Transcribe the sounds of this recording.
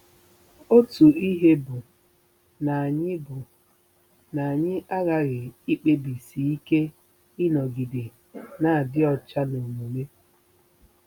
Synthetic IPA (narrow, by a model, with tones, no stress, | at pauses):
o˦tu˨i˦ɦe˦bʊ˨ | na˨a˨ɲɪ˦bʊ˨ | na˨a˨ɲɪ˦ʔa˦ɣa˦ɣɪ˨i˦k͡pe˦bi˨si˨i˦ke˦ | ɪ˦nɔ˨ɡi˨dɪ˨ | na˨a˨dɪ˦ɔ˨t͡ʃa˦no˨mu˨me˦